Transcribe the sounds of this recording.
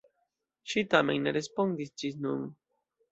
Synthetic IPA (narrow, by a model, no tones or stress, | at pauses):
ʃitame̞̰nːeɾespo̞ndisd͡ʒisnun